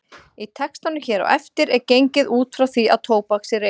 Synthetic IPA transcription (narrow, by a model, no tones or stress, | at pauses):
it̪ʰɛkst̪anʏçɛːɾɔ̰ʔɛ̰ft̪ɪɾɛɾcejɲcɪðuːt̪fɾawθia̰ðt̪ʰoːwpaksɪɾe